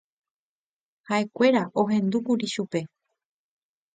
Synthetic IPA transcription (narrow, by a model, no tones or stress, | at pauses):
hae̞kʷe̞ɾaʔo̞ɦẽ̞nd̪ukuɾiʃupe̞